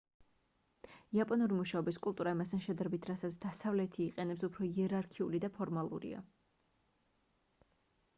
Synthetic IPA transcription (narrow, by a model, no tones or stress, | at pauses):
iapʼɔnuɾimuʃaɔbiskʼulˠt̪ʼuɾaimast̪ʰanʃɛd̪aɾɛbit̪ʰɾasat̪sʰd̪asavlɛt̪ʰiːqʼɛnɛpsupʰɾɔiɛɾaɾkʰiulid̪apʰɔɾmalˠṵɾḭa̰